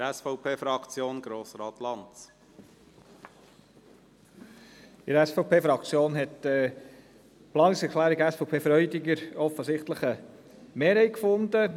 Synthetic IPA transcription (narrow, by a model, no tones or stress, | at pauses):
ɾɛsfɔʊpʰeːfɾɑkt͡sjoːnɡ̥ɾoːsɾɑːt̪lɑnt͡s | ɪɾɛsfɔʊpʰeːfɾɑkt͡sjoːnɦɛtə | plɑːnɪŋsɛɾkʰlæːɾiɡæsfɔʊpʰeːfɾœʏdɪɡəɾɔfəsɪχt̪ləχəmeːɾhɛɪt̚kfʊnd̪ə